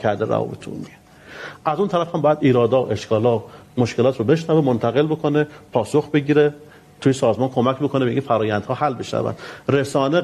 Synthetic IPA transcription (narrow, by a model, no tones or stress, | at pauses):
æɾd̪eɾæ̰vɒ̰ːbet̪ʰṵnːi | ʔæzunt̪ʰæɾæfhæmbɒːjæd̪iːɾɒːd̪ɒːʔe̞ʃkʰɒːlɒː | moʃke̞lɒːt̪ʰɾobe̞ʃnævemont̪ʰæɣelbo̞kʰo̞nepʰɒːsoxbe̞ɟiːɾe | t̪ʰujisɒːzmɒːnkʰo̞mæcʰbokʰo̞nebeinfæɾɒːjænd̪hɒːhælbe̞ʃnæ̰væ̰nd̪ɾesɒːne